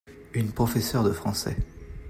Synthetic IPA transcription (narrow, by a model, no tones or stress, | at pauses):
ynpχɔfɛsœʁd̪əfχɑ̃sɛ̰